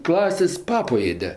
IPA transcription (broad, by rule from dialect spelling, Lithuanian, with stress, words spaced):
ˈklˠɑːsʲeːsʲ ˈpɑːpoː ˈeːdʲɛ